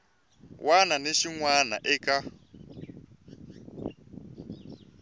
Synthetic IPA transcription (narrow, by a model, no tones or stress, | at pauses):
wʔananeʃiŋwana̰ʔɛkʼa